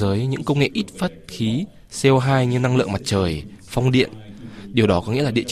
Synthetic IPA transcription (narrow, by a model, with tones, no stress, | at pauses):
əː˨˦jɲɨ̰˧˥ŋkə˧wŋ͡mŋḛ˧˨ʔi˦˥t̚faː˦˥t̚xi˨˦ | sɛ˧wɦaː˧jɲɨ˧na˧ŋlɨ̰˧˨əŋma˨˩t̚t͡ɕəː˨˩j | fa˧wŋ͡mɗḭ˧˨ənɗi˨˩wɗɔ˨˦kɔ˨˦ŋḭ˧˥əlːɗḭ˧˨